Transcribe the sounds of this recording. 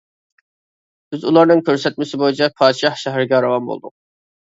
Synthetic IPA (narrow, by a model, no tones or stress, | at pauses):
b̥ɪzulˠɑɾnɨŋkʲʰøɾsɛt̪mɪsɪbojit͡ʃʰɛpʰɑːd̪ʃɑhʃæɦæɾɪɡʲɛɑɾɑvɑnbo̰lˠd̪ʊ̰q̚